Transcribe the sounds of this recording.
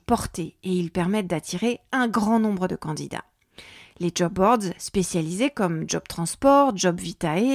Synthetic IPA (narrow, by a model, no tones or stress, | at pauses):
pɔʁt̪eeilpɛʁmɛt̪̚d̪at̪ʰiʁeɛ̃ɡʁɑ̃nɔ̃bʁəd̪əkɑ̃d̪ḭd̪a̰ | leʒɔbːɔʁd̪zspesjalizekɔmʒɔb̥̚t̪χɑ̃spɔʁʒɔbvit̪ae